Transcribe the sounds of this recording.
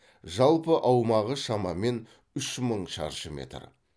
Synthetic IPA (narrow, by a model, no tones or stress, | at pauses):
ʒɑlˠpəʔɑwmɑʁəʃɑmɑme̞n | ʏʃməɴʃɑ̰ɾʒəme̞̰t̪r